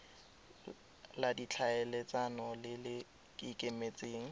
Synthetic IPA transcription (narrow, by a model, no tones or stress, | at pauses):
ladit͡ɬʰaɛlet͡sʼanɔlɪlɪ | kʼɪkʼemet͡sʼeːŋ̩